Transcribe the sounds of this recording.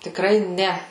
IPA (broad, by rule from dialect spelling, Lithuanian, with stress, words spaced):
tʲɪkˈrɐɪ ˈnʲɛ